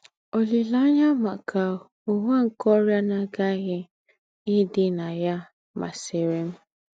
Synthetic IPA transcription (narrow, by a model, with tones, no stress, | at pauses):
o˨li˨la˦ɲa˦ma˨kʰa˨o˨ɦʷa˦ŋ̩˨kɔ˦ɾja˦na˨ɡa˦ɣɪ˦ | ɪ˦dɪ˦na˨ja˦ | ma̰˨se˨ɾe˦m̩˦